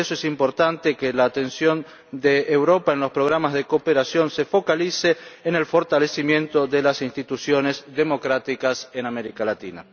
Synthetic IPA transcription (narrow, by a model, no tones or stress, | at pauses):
esoesimpo̞ɾt̪ant̪ekelaːt̪e̞nsjo̞n | d̪eːwɾo̞paenlo̞spɾo̞ɣ̞ɾamazðekopeɾasjo̞nsefo̞kaliseːnelfo̞ɾt̪alesimjẽ̞nt̪o̞ðelasinst̪it̪usjo̞nezðemo̞kɾat̪ikasenameɾikalat̪ḭna̰